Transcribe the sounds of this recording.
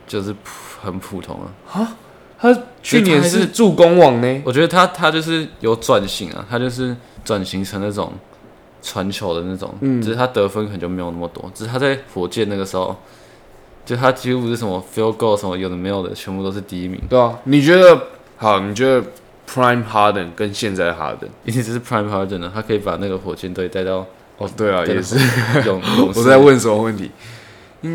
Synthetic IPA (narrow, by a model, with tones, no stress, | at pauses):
t͡ɕjo˥˧ʊʂɻ̩˥˩pʰxə˨˩npʰu˨˩t̪ʰʊ̰˧˥ŋə̰˨˩a˥ | t̪ʰa˥t͡ɕʰy˥˨njɛ˧˦n˧˥ʂʂɻ̩˥˨t͡su˥˩ko˥ŋwɑ˨˩ŋne˦wɔ˨˩t͡ɕɥɛ˧˥d̪ə˧a˥t̪ʰa˥t͡ɕjo˥˧ʊʂ̬ɻ̩˥˩jo˨˩ʊt͡swa˨˩nɕi˨˩ŋɐ̰˨˩t̪ʰa˥t͡ɕjo˥˧ʊʂ̬ɻ̩˥˩ | t͡swa˨˩nɕi˧˥ŋʈ͡ʂʰə˧˥ŋna˥˩ʈ͡ʂʊ̰˨˩ŋ | t͡sʰwa˧˦nt͡ɕʰjo˨˧˦ʊd̪ə˦na˥˩ʈ͡ʂʊ̰˨˩˦ŋ̩˥˩˥t̪ʰa˥t̪ɤ˧˥fə˧˥nk̪ʰt͡ɕjo˥˩me˧˥˧jo˨˩na˥˩mə˩t̪wɔ̰˥˦t͡ɕ̩˥˧˩t̪ʰa˥t͡sa˥˩ɪfwɔ˨˩t͡ɕjɛ˥˧na˥˩ɡə˩ʂɻ̩˧˥xo̰˥˧ʊ | t͡ɕjo˥˧ʊʂt̪a˥t͡ɕi˥˧u˥˧˩ʂɻ̩˥˩ʂə˧˥mə˧˩fi˥ʊko˥˧ʊʂə˧˦nmə˧jo˨˩d̪ə˩me˧˥ɪjo˨˩ʊdə̰˨˩t͡ɕʰɥɛ˧˥nmpu˥˧o˥ʊʂɻ̩˥˧t̪i˧i˥˩mḭ˨˧˦ŋ˩˨ni˨˩t͡ɕɥɛ˧˥d̪ə˨ | hɑ˨˩ni˨˩t͡ɕɥɛ˧˦d̪ə˧ | pʰɹa˥ɪmhɑ˥d̪ə˨˩nkə˦nɕjɛ˥˧nt͡sa˥˩ɪə˩xa̰˥d̪ə̰˨˩ni˥nʰi˨˩ʈ͡ʂə˧˩ʂɻ̩˥˩pʰɹa˥ɪ̃mxɑ˥d̪ə˨˩nə˩a˥kʰɤ˧˥i˧˥pa˨˩na˥˩ɡə˩xwɔ˨˩t͡ɕjɛ˥nt̪o˥˧˥t̪a˥˧ɪt̪ɑ˥˩ʊ | ɔ˧˩t̪we˥˩ɪɐ˨ja˥˩˨ʂ̩˥˩˥ʊ˨˦ŋ˨ŋwɔ˨˩t͡sa˥˧ɪwə˥˨nsə˧˦mə˧wə˥˨˩nt̪ʰḭ˧˦ | i˥